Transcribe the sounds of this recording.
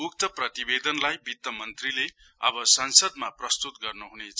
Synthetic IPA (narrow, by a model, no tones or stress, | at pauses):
uk̚t̪ʌprʌt̪ibed̪ʌnlajbʱit̪ːʌmʌnt̪rile | ʌ̰bʌsʌnsʌd̪̚maprʌst̪ut̪ɡʌrnuɦunet͡sʰʌ